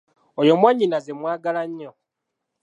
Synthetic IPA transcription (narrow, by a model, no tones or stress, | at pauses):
ojo̞mwaɲːinazemwaːɡalaɲːo